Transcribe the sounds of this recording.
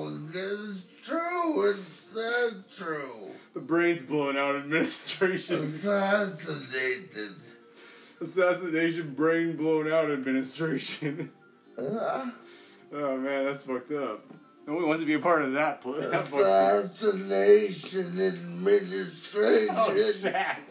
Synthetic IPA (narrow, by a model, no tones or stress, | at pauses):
ðæztʰɹ̥uɪtsətʰɹ̥uðəbɹẽɪ̃nzblõʊɪ̃naʊɾɨd̚mɪ̃nɨstɹ̥eɪʃɨ̃sæsɨneɪɾɪd̥ | əsæsɨneɪʃɨ̃nbɹẽɪ̃nblõʊ̃naʊɾɨd̚mɪ̃nɨstɹ̥eɪʃɨ̃n | omæ̃nðætsfʌk̚tʌp̚ | õwwɑ̃ntɨbiɨpʰɑɹɾʌvðɨt̚pʰsfʌæsɨneɪʃɨ̃nɨd̚mɪnɨstɹ̥eɪ̃